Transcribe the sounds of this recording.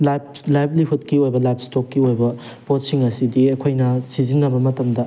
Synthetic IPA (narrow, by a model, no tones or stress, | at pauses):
lajp̚ | lajpʰliɦut̚kiojbɐlajp̚ʰstokːiojbɐ | pot̚siŋɐsidiɐkʰojnɐsizinːɐbɐmɐtɐmdɐ